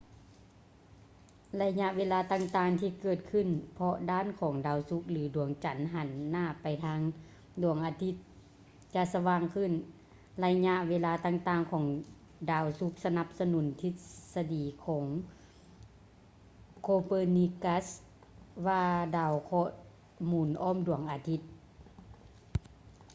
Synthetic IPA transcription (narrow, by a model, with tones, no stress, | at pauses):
la˧jɲa˧ʔweː˧˥laː˧t̪aː˧˨ŋt̪aː˧˩ŋt̪ʰiː˧kɤː˧˩t̪̚kʰɯ˧˩˨npʰɔ˧daː˧˥˨nkʰɔː˨˩˦ŋdaː˨˩wsu˧˦˥k̚lɯː˨˦du˨˩˦əŋt͡ɕa˨˩˦nɦa˨˧˦nːaː˧˥˩pa˨˩jt̪ʰaː˧˥ŋ | du˨˩əŋʔaː˧t̪ʰi˧˥t̪̚ | t͡ɕa˧ʔsa˧waː˧ŋkʰɯ˧˥˨n | la˧jɲa˧ʔweː˧laː˧t̪aː˧ŋt̪aː˧ŋkʰɔː˨˩˦ŋ | daː˧˩wsu˧˦˥k̚sa˧na˧p̚sa˧nu˨˩˦nt̪ʰi˧t̪̚sa˧diː˨˩kʰɔː˨˩˦ŋ | kʰoː˧pɤː˧ni˧ka˧˥s | waː˧daː˧˩wkʰɔː˧ | muː˨˩nʔɔː˧˥˨mdu˨˩əŋʔaː˨˧t̪ʰi˧t̪̚